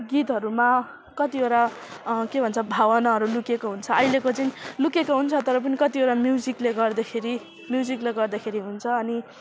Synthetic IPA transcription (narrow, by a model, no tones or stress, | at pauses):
ɡit̪ɦʌɾuma | kʌt̪ioɾa | kebʱʌnt͡sʰʌbʱawʌnaɦʌɾulukekoɦunt͡sʰʌʌjlekot͡sʌĩlukekoɦunt͡sʰʌt̪ʌɾʌp̬ʌnikʌt̪ioɾamjud͡zikleɡʌrd̪ʌkʰeɾi | mjud͡zikleɡʌrd̪akʰeɾiɦunt͡sʰʌːni